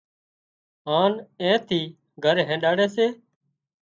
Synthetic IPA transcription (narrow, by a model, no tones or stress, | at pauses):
ɦaːnẽːt̪ʰiː | ɡʱəɾɦẽːɗaːɽeːseː